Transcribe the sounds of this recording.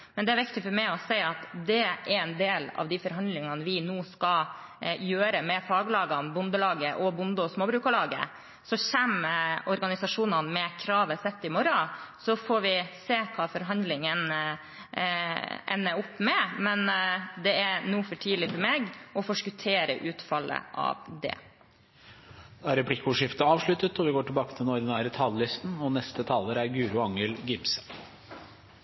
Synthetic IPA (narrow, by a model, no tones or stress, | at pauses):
mɛnd̪ɛæɾʋɪkt̪ɪfɔɾmæɪɔsɛɪɑt̪d̪ɛæɾɛnd̪eːlɑ̰ʋd̪ɪfɔɾɦɑnd̪lɪŋɑnəʋɪnuːskɑ | jøːɾəmɛfɑːɡlɑːɡɑnbʊnd̪əlɑːɡəʔɔbʊnd̪əɔsmoːbɾʉːkɑlɑːɡə̰ | sɔçɛmɔɾɡɑnɪsɑʂuːnɑnmɛkʰɾɑːʋəsɛt̪ːɪmɔɾɑsɔfɔɾʋɪseːkʰɑːfɔɾɦɑnd̪lɪŋən | ɛ̰nːəʊpːmɛmɛnd̪ɛæɾnuːfɔʈʰiːlɪfɔɾmeːɡɔfoʂkʉt̪ʰeːɾə̰ʔʉːt̪fɑlːə̰ʔɑ̰ʋd̪ɛ̰ | d̪̥æɾɛpʰlɪkːʊʂɪft̪əɑːʋʂɭʉt̪ət̪ɔʋɪɡoːʈɪlbɑːkət̪ʰɪlɔɾd̪ɛnæːɾət̪ʰɑllɪst̪n̩ɔnɛst̪ət̪ʰɑːləɾæɾɡʉːɾʊɑŋəlɡɪpsə̥